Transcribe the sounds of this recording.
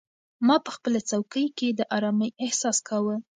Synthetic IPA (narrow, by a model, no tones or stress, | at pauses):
mɑpəxpəlat͡sawkəjked̪əʔɑɾɑməjɪhsɑskʰawə